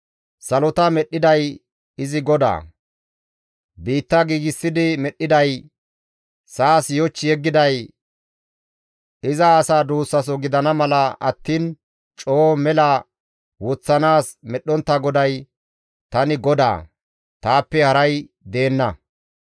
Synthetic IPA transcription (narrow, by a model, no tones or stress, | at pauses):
sɐlɔt̪ɐmɛɗːɪd̪ɐj | ɪzɪɡɔd̪a̰ː | biːt̪ːɐɡiːɡɪsːɪd̪ɪmɛɗːɪd̪ɐj | saːsjɔt͡ʃːɪjɛɡːɪd̪ɐj | ɪzɐːsaːd̪uːsːɐs̬ɔɡɪd̪ɐnɐmɐlɐɐ̰t̪ːiːn | t͡ʃʼoːmɛlɐ | wɔt͡sːɐnaːsmɛɗːɔnt̪ːɐɡɔd̪ɐj | t̪ɐnɪɡɔd̪a̰ː | t̪aːpːɛhɐɾɐj | d̪e̞ːnːɐ